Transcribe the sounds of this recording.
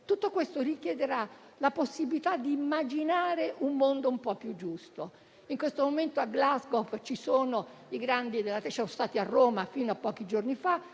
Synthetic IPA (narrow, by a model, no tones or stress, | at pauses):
t̪ut̪ːokwest̪orik̟jɛd̪eɾa | laposːibilit̪ad̪ːiːmːad͡ʒinaːɾeʔumːond̪oumpɔpːjud͡ʒːust̪o | iŋkwest̪omoment̪oaɡlazɡoft͡ʃisoːno | iɡɾand̪id̪elat̪sɔnost̪aːt̪iarːoːmafinoapːɔːk̟id͡ʒornifa